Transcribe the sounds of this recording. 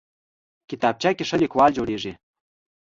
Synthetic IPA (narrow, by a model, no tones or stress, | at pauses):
kit̪ɑp̚t͡ɕɑkʲeʃə̆lʲekwɑlʲd͡ʑoɾeʒe